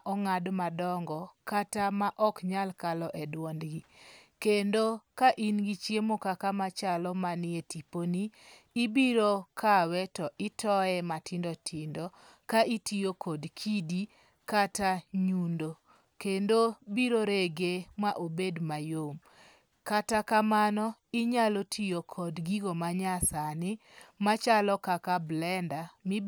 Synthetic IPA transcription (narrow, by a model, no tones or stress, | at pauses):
ʔɔŋadmadɔŋɡɔkatamaʔɔkɲalkalɔʔɛdwɔndɡikendokaʔinɡit͡ʃjemokakamat͡ʃalɔmanɪetiponiː | biɾokʰawɛtɔʔitʰɔɛmatɪndɔtʰɪndɔ | kaʔitijokʰɔdkʰidi | kataɲundo | kendobiɾoɾeɡemaʔobedmajom | katakamanɔɪɲalɔtʰijokʰɔdɡiɡomaɲasanɪ | mat͡ʃalɔkakablɛndami